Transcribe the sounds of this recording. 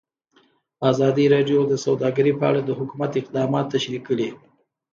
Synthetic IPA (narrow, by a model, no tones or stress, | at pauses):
azɑd̪iɾɑɖjod̪əsawd̪ɑɡəɾipəa̰ɽad̪əhʊkumat̪ɪq̚d̪ɑmɑt̪ːaʃɾikəɽi